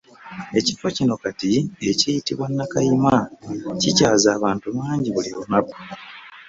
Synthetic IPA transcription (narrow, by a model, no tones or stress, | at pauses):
e̞cifo̞cino̞katie̞cijitiβwanːakajimacicaːzaːβaːntuβaːɲɟiβulionako̥